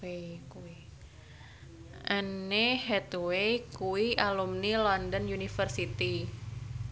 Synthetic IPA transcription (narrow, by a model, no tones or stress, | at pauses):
ekui | ʔənːehɛt̪wejkuwiʔalumnilɔndɔnjunifərsit̪i